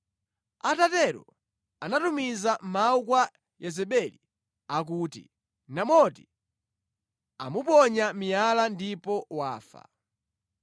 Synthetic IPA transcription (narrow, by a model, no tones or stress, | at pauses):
atatɛɾɔ̰ | anatumizamaukwa | jɛzɛɓɛlḭ | ak̬utḭ | namɔti | amupɔɲamijalandipɔwaːfa̰